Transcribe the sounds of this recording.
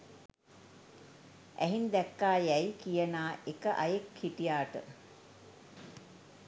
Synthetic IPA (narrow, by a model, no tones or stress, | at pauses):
ʔæ̰ɦind̪ɛkːaːjæjkijənaːʔekəʔa̰jekhiʈijaːʈə̰